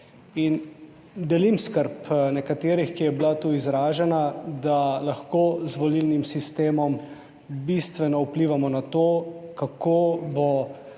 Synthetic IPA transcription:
in | d̪ɛlimskəɾpnɛkat̪eːɾixkijɛblat̪uːizɾaːʒɛnad̪alaxkozʋɔlilnimsist̪eːmɔm | bist̪ʋɛnɔupliːʋamɔnat̪oːkakoːbɔ

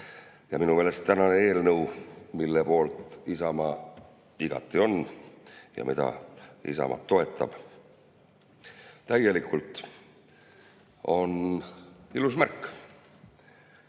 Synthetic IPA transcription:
jɑminuvelest̪ænɑnee̞ːlnɤwmilːepo̞ːlt̪ˑisɑmɑ | iɡ̥ɑ̰t̪ːˑio̞n | jɑ̰mid̪ɑ̰ḭsɑ̰mʔɑ̰t̪ːo̞e̞t̪ːˑɑ̰b̥ | t̪æje̞likult̪ˑ | o̞n | ilusmærkːˑ

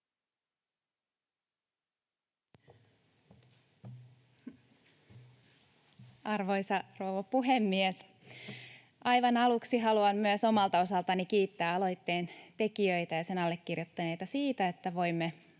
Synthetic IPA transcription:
ɑrʋo̞jsɑroːʋopuɦemːies | ʔɑjʋɑnɑluksiɦɑluɑmmyøso̞mɑlt̪ɑo̞sɑlt̪ɑnikiːt̪ːæːɑlo̞jt̪ːe̞ːnt̪e̞kiøjt̪æjɑse̞nɑlːekːirjot̪ːɑne̞jt̪ɑsiːt̪æet̪ːæʋo̞jmːe

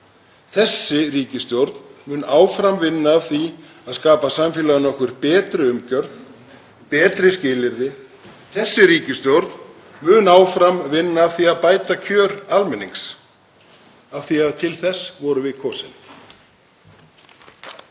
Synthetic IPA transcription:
θɛsːɪɾiːcɪst̪jowɾt̪nmʏːnaːwfɾamvɪnːaːθi | aðskaːpasamfɪːlaʏnɔhkvɪɾpɛːt̪ɾʏʏmcœɾθ | pɛːt̪ɾɪscɪːlɪɾðɪ | θɛsːɪɾiːcɪst̪jowɾt̪n | mʏːnaːwfɾamvɪnːaːθiaðpaːjt̪acʰœːɾalmɛnːiŋks | afθiaðt̪ʰɪlθɛsːvɔɾʏvɪðkʰɔːsɪn

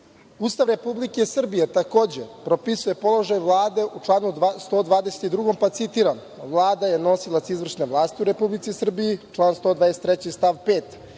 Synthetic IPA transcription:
ust̪aʋɾe̞publikesr̩bijet̪ako̞ːd͡ʑepɾo̞pisuje̞po̞lˠo̞ʒajʋlˠaːd̪e̞ʔuʈ͡ʂlˠaːnud̪st̪o̞ːd̪ʋaːd̪eset̪id̪ɾuɡo̞mpat̪sit̪iɾan | ʋlˠaːd̪ajeno̞silˠat̪sizʋr̩ʂne̞ʋlˠaːst̪iuɾe̞publit̪sisr̩bijit͡ʃlˠaːnst̪o̞ːd̪ʋaːese̥t̪ɾet͡ɕist̪aʋpeːt̪

